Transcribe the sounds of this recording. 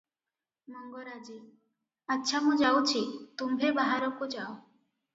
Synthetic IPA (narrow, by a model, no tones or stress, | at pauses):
mɔŋɡɔɾad͡ʒi | atːʃʰamũd͡ʒawt͡ʃʰit̪umbʱebaɦaɾɔkud͡ʒao